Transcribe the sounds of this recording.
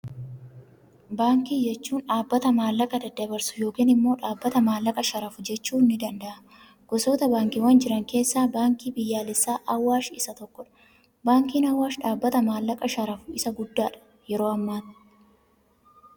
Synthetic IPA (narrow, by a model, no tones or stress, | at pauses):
baːŋkiːd͡ʒɛt͡ʃːuːnᶑaːbːɐt̪ɐmaːlːɐkʼɐd̪ɐd̪ɐbɐɾsʊ̥jo̞ːkiːnɪmːo̞ːᶑaːbːɐt̪ɐmaːlːɐkʼɐʃɐɾɐfʊd͡ʒɛt͡ʃːuːnːɪd̪ɐnd̪ɐʔɐ | ɡ̥ɔsoːt̪ɐbaːŋkɪwɐnd͡ʒɪɾɐŋke̞ːsːaːbaːŋkiːbɪjːaːlɪsːaːʔɐwːaːʃɪsɐt̪ɔkːɔᶑɐ̥ | baːŋkiːnɐwːaːʃᶑaːbːɐt̪ɐmaːlːɐkʼɐʃɐɾɐfʊ̥ɪsɐɡʊd̪ːaːᶑɐ̥ | jɛɾo̞ːɐmːaːt